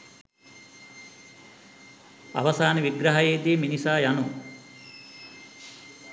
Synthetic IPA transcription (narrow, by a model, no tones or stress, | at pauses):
ɐ̰ʋɐsaːniʋiɡɾɐɦɐjeːd̪iːminisaːjanu